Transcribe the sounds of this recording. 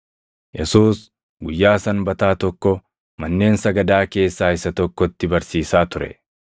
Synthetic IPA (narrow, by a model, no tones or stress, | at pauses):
jɛsuːs | ɡʊjːaːsɐnbɐt̪aːt̪ɔkːɔ | mɐnːe̞ːnsɐɡɐd̪aːke̞ːsːaːɪsɐt̪ɔkːɔt̪ːɪbɐɾsiːsaːt̪ʊɾɛ̰